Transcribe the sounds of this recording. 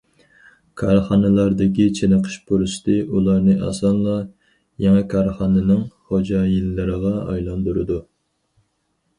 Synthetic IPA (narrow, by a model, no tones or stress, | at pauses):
kʰɑɾχɑnɨlˠɑɾd̪ɪkʲit͡ʃʰenəqʰə̥ʃboɾuʃɪ̥t̪ɨʔulˠɑɾnɨʔɑ̰sɑnlˠɑ | jeŋɛkʰɑɾχɑnɨnɨŋχod͡ʒɑjilːɪɾəʁɑɑ̰jlˠɑnd̪uɾɨd̪u